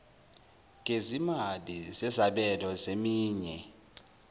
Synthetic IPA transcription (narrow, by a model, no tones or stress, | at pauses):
ŋʱezimalizɛzaɓɛlɔzemiːɲɛ